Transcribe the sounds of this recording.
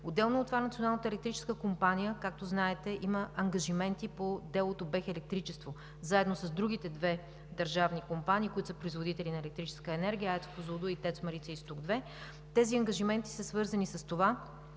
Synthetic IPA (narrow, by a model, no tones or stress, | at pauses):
od̪ːɛlˠnot̪ːovanɐt̪ionalˠnət̪ɛlɛkt̪ɾit͡ʃɛ̥skəkompanijəkak̚t̪oznaɛt̪ɛʔiməɐŋɡɐʒimɛnt̪ipod̪ɛlˠot̪obɛxɛlɛk̚t̪ɾit͡ʃɛst̪vo | zaɛd̪nosəzd̪ɾuɡ̟it̪ɛd̪vɛ | d̪ɐɾʒavnikompanʲiːkoit̪o̥səpɾoizvod̪it̪ɛlinɐɛlɛk̚t̪ɾit͡ʃɛ̥skəɛnɛɾɡijəɛt̪spozvod̪oit̪ɛt̪smɐɾit̪sɛist̪uɡd̪vɛ | t̪ɛziɐŋɡɐʒimɛnt̪i̥səsvɤɾzɐnisɐst̪ova